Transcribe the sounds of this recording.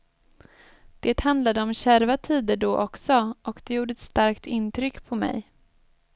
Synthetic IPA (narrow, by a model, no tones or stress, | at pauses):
d̪̥eːt̪hand̪lad̪əɔmɕæɾvat̪ʰiːd̪əɖɔːʔɔksɔʔɔkd̪ɛjuːɖəɛt̪st̪aɾkt̪ɪnːt̪ʰɾʏkːpʰɔmɛ̰j